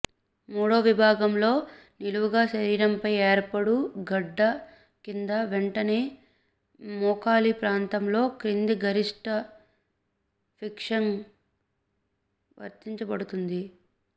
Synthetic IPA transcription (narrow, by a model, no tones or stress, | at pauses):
mɔːɽoːʋibʱaːɡɐmlo̞ː | niluʋuɡaːʃɐɾiːɾɐmpɐjeːɾpɐɽuɡɐɖːɐ | kind̪ɐʋeɳʈɐne̞ː | mɔːkaːlipɾaːnt̪ɐmlo̞ːkɾind̪iɡɐɾiʂʈɐ | pʰikʂɐn | ʋɐ̰ɾt̪iɲt͡ʃɐbɐɽut̪und̪i